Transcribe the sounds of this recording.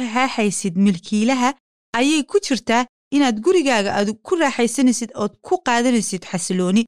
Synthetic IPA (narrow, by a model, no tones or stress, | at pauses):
ɐɦɑːħɛjsɪd̪mɪlkʰiːlɐɦɐ | ʔɐjɛjkʰʊt͡ʃɪrt̪ʰaː | ʔɪnaːd̪ɡʊɾɪɣaːɣɐʔaːd̪kʰʊrɑːħɛjsɐnɛsɪd̪ɔːd̪̚kʰʊqɑːðɐnɛjsɪd̪ħɑslɔːnɪ